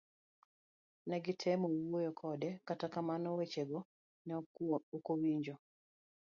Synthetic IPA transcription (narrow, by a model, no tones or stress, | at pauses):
nɛɡɪtʰɛmɔwojɔkʰɔdɛkatakamanɔwet͡ʃeɡɔ | nɛokowiɲd͡ʒɔ